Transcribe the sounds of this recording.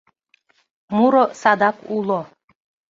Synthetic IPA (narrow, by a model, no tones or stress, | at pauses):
muɾɔsad̪akulˠɔ